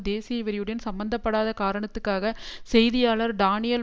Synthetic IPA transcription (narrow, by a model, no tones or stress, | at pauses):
d̪eːsɪjɐʋɐɾɪjɯɽɐɪnsɐmbɐnd̪ɐpːɐɽaːðɐkaːɾɐɳɐt̪ːɯkːaːɣɐsɛjðɪjaːlɐɾɖaːnɪjɐl